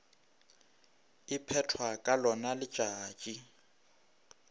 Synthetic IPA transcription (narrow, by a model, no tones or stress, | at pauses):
ɪpʰɛtʰwakʼalɔnalɪ̥t͡ʃʼaːt͡ʃʼi